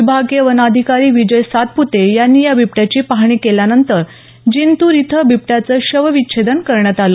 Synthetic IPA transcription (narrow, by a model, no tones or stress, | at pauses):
ibʱaɡeʋənad̪ʱikaɾiːʋid͡ʑəjsat̪̚put̪ejanːiːjabip̚ʈjat͡ɕiːpaɦɳ̃iːkeljanənt̪əɾ | d͡ʑint̪uɾit̪ʰəbʱip̚ʈjat͡səːɕəʋəʋikːɕed̪ənkəɾɳjat̪alo